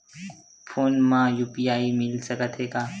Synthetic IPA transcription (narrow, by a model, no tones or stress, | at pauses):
fʰoːnmãːjuːpijaːiːmɪlsəkət̪ʰɦeːkaː